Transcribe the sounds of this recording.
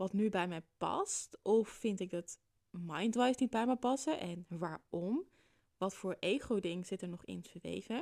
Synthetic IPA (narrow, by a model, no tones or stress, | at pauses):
ʋɑtnybɛjmɛjpɑ̰stɔffɪntɪɡ̚dɑt | mɑjndʋajsnid̚bɛjmɛjpɑsəʔɛnʋaːɹɔm | ʋɑtfʊːɹʔejχowdɪŋz̥ɪtəɹnɔχɪ̰nsʋḛjvə